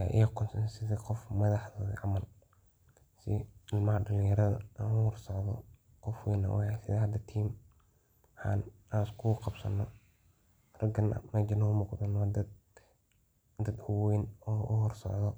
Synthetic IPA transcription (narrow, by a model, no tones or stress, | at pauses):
aʔiːqʰʊnsɐnsɪðɐqɔfmɐðɑħðoːðɐ̰ʕɑmɐl | sɪɪlmɐɐɖɐlɪ̃jɐɾɐðɐ̰ʔaːnʊhɔrsɔʕðɔ̰ | qɔfwɛːnɐ̰whɛsɪðɐhɐd̪ɐt̪ʰiːm | ħɑ̰ːn | askʰʊqɑbsɐ̰nɔ | rɐɡɐnɐ̰mɐd͡ʒɪnɐʊmuːqd̪ɐnd̪ | d̪ɐd̪ʊwɛːnɔːʔʊhɔrsɔ̰ʕðɔ